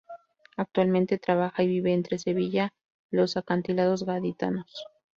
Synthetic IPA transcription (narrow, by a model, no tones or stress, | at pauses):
ak̚t̪walmẽnt̪e̞t̪ɾaβaxaiβiβe̞ːnt̪ɾe̞se̞βiʝa | lo̞sakant̪ilað̞o̞zɣaðit̪a̰no̞s